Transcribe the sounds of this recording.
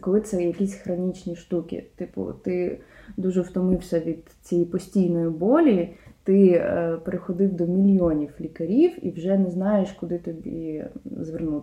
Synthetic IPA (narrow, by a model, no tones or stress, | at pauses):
kɔlˠɪt̪sɛjɐkʲisʲxɾɔnʲit͡ʃnʲiʃt̪ukʲḭt̪ɪpʊ̰t̪ɪd̪uʒɛwt̪ɔmɪwsʲɐʋʲid̪ | t͡sʲɛjipɔsʲtʲijnɔjibɔlʲit̪ɪpeɾexɔd̪ɪwd̪ɔmʲilʲjɔnʲiwlʲikɐɾʲiwḭwʒɛnɛznɑjeʃkʊd̪ɪt̪ɔbʲḭzʋernut̪